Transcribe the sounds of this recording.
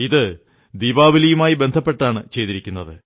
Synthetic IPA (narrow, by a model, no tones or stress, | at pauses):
iðɨ | d̪iːbaːʋilɐjumaːjibe̞nd̪ʱɐpːe̞ʈːaːɳɨt͡ɕe̞jt̪iɾikʲːunːɐðɨ